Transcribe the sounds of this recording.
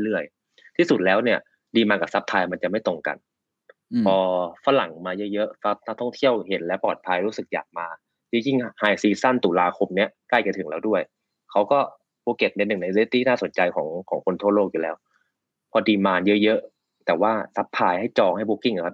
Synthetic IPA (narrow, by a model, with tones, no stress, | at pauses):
lɯ˥˩əj | t̪ʰiː˥˩su˨˩t̪̚lɛː˦˥wni˥˩ɐ | diː˧maː˧ka˨˩sa˦˥p̚t̪ʰaː˧ma˧nt͡ɕa˨˩ma˥˩jt̪o˧ŋka̰˧n | pʰɔː˧fa˧˥la˨˩˦ŋmaː˧jɤ˦˥jɤ˦˥ʔfa˦˥na˦˥k̚t̪ʰɔ˥˩ŋt̪ʰi˥˩əwɦe˩˦nlɛː˦˥pɔː˨˩t̪̚pʰa˧jɾuː˦˥sɯ˨˩k̚jaː˨˩k̚maː˧ | jɯː˦˥ji˥˩ŋhaː˨˩jsiː˧˩sa˥˩nt̪uː˨˩˦laː˧kʰo˧mni˦˥ɐkaː˥˩jt͡ɕa˧˩t̪ʰɯ˩˦ŋlɛː˦˥wdu˥˩əj | kʰa˦˥wkɔː˥˩ | boː˧ke˨˩t̪̚ne˧nːɯ˨˩ŋna˧jle˦˥t̪ʰiː˥˩naː˥˩so˨˩˦nt͡ɕa˧jkʰɔː˩˦ŋkʰɔː˩˦ŋkʰo˧nt̪ʰu˥˩t̚loː˥˩k̚juː˨lɛː˦˥w | pʰɔː˧diː˧maː˧njɤ˦˥ʔjɤ˦˥ʔ | t̪ɛː˨˩waː˥˩sa˦˥p̚t̪ʰaː˧jha˥˩jt͡ɕɔː˧ŋha˥˩jboː˧ki˥˩ŋʰ˧˩a˦˥p̚